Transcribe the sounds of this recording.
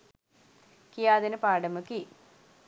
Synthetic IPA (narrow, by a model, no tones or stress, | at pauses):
kijaːðinɨpaːɽɐmɐkːi